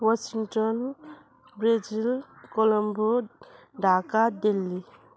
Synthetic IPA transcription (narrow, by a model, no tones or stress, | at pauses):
wasiŋtɔn | bɾed͡ʒilkɔlɔmbɔ | dʱakadelːi